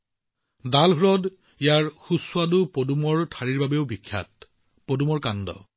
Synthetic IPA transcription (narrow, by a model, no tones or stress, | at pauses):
dalɦuɹɔd | ijaɹxusʊadʊpodumɔɹtʰaɹiɹbabeʊbikʰːa̰t̚ | podumɔɹkandɔ̰